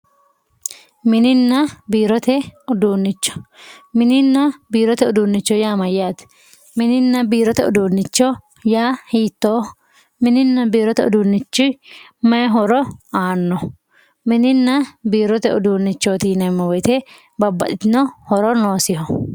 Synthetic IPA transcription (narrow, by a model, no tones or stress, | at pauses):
mɪnɪnːɐbiːɾɔt̪ɛʊd̪uːnːɪt͡ʃːɔ̥mɪnɪnːɐbiːɾɔt̪ɛʊd̪uːnːɪt͡ʃːɔjaːmɐjːaːt̪ | mɪnɪnːɐbiːɾɔt̪ɛʊ̰d̪uːnːɪt͡ʃːɔ | jaːhiːt̪ːoː | mɪnɪnːɐbiːɾɔt̪ɛʊ̰d̪unːɪt͡ʃːʊ | mɐɦɔɾɔaːnːɔ | mɪnɪnːɐbiːɾɔt̪ɛʊd̪uːnːɪt͡ʃːoːt̪iːnɐmːɛwɔjt̪ɛ | bɐbːɐt̪ɪt̪ɪnɔhɔɾɔnoːsɪhɔ